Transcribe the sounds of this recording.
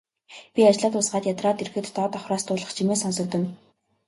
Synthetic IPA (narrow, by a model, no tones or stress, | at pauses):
pʲiat͡ɕɮaːt̪ʊsɢaːt̪jat̪rɔːt̪erxɘ̆t̪ːɔːt̪ɔχrɔːst̪ʰʊːɮʁə̆χt͡ɕʰimeːsɔnsɞ̆k̚t̪ɘ̆n